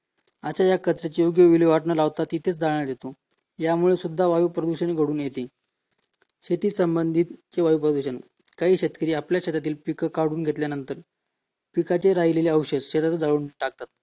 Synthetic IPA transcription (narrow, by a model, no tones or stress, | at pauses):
at͡ɕajakət͡sɾet͡ɕejoɡjəʋiliʋaʈɳəlaʋt̪at̪ːit̪ʰet͡sd͡zaɭɳjaɾd̪et̪o | jamuɭesud̪ʱːaʋajupɾəd̪uɕəñiɡʱəɽuːnjet̪iː | ɕet̪iːsəmbənd̪ʱit̪t͡ɕeʋajupɾəd̪uɕən | kaɦiːɕet̪kəɾiːapljaɕet̪at̪iːlpikəkaɽuːnɡʱet̪ljanənt̪əɾ | pikat͡ɕeɾajleleəwɕəd͡zɕet̪at͡səd͡zaɭuːnʈak̚t̪at̪̚